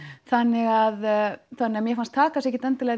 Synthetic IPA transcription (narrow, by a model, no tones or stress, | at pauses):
θanːɪɣaðθanːɪamjɛfanst̪ʰaːkasɛhcɪt̪ɛnt̪ɪlɛɣ